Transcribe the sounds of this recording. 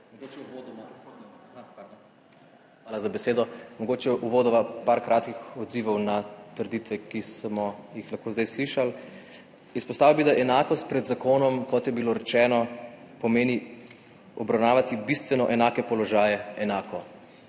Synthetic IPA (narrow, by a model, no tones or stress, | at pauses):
mɔɡot͡ʃod̪ | ʋaːlazabɛseːd̪ɔmɔɡoːt͡ʃɛʔuʋoːd̪ɔʋapaɾkɾaːt̪kixɔd̪ziʋɔwnat̪əɾd̪it̪ʋɛkismɔjixlaxkoːzd̪ajsliʃal | ispɔst̪aːʋilbid̪aʔɛnaːkɔst̪̚pɾɛd̪zakoːnɔmkɔt̪jɛbiloɾɛt͡ʃɛːnɔ | pɔmeːni | ɔbɾawnaːʋat̪ibist̪ʋɛnɔʔɛnaːkɛpɔlɔʒaːjɛɛnaːkɔ